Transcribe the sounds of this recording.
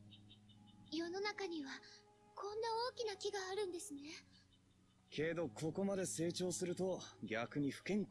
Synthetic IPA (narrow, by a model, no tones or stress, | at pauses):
jo̞no̞nakaɲ̟iβa | kʰõ̞nːao̞ːkʲinakʲiɡaːɾɯ̟̃nd̪e̞sɨne̞ | kʰe̞d̪o̞kʰo̞ko̞mad̪e̞se̞ːt͡ɕo̞ːsɨɾɯ̟t̪o̞ɡʲakɯ̟ɲ̟iɸɯ̟̥kẽ̞ŋ